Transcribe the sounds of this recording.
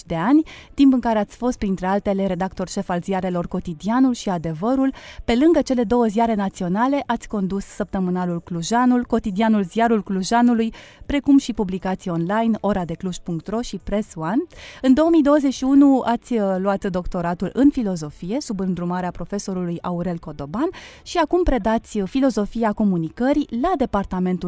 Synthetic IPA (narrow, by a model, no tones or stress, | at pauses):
t͡ʃd̪e̞anʲt̪impɨŋkaɾe̞at̪sʲfo̞st̪̚pɾint̪ɾe̞alt̪e̞le̞ɾe̞d̪akt̪o̞rʃe̞falziaɾe̞lo̞rko̞t̪id̪ianulʃiad̪e̞vəɾulpe̞lɨŋɡət͡ʃe̞le̞d̪o̞wəzijaɾe̞nat̪sio̞nale̞ʔat̪sʲko̞nd̪usːəp̚t̪əmɨnalulkluʒanulko̞t̪id̪ianulziaɾulkluʒanulujpɾe̞kumʃipublikat̪sijo̞nlajno̞ɾad̪e̞kluʃpuŋk̚t̪ro̞ʃipɾe̞swanɨnd̪o̞womijd̪o̞wəze̞ʃiunuat̪sʲluat̪d̪o̞kt̪o̞ɾat̪ulɨnfilo̞zo̞fije̞subɨnd̪ɾumaɾeapɾo̞fe̞so̞ɾulujauɾe̞lko̞d̪o̞banʃiakumpɾe̞d̪at̪sʲfilo̞zo̞fijako̞munikəɾilad̪e̞part̪ame̞nt̪u